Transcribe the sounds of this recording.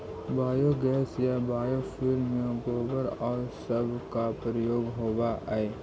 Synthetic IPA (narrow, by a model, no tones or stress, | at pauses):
baːjoɡɛːsjabaːjofʰɪɾmẽɡoːbəɾɔːɾsəbʱkapɾəjoːɡɦoːwaʔeː